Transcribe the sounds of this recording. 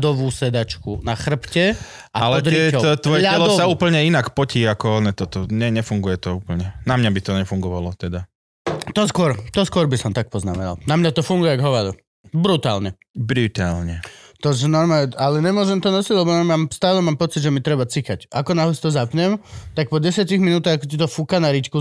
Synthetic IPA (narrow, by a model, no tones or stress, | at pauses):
d̪ɔʋuːsɛd̪at͡ʃkunaxr̩pcɛ | ʔaalɛɔd̪ɾɪiɛɔɔt̪ʋɔjɛʎɛlɔsauːpl̩ɲɛinakpɔciːakɔɔnɛt̪ɔt̪ɔɲɛɲɛfuŋɡujɛt̪ɔuːpl̩ɲɛnamɲabit̪ɔɲɛfuŋɡɔʋalɔt̪ɛd̪a | t̪ɔskʊɔɾt̪ɔskʊɔɾbisɔmt̪ak̚pɔznamɛna̰lnamɲat̪ɔfuŋɡujɛɡɦɔʋad̪u | bɾut̪a̰ːlɲɛ | bɾut̪aːlɲɛt̪ɔʒɛnɔɾmaːɛalɛɲɛmʊɔʒɛmt̪ɔnɔsiɟlɛbɔnamaːmst̪aːlɛmaːmpɔt͡sid̪ʒɛmit̪ɾɛbat͡sikacʔakɔnaɦlɛst̪ɔzapɲɛmt̪ak̚pɔɟɛsɪatiɣminuːt̪aɣakɔcit̪̬ɔfukanaɾit͡ʃku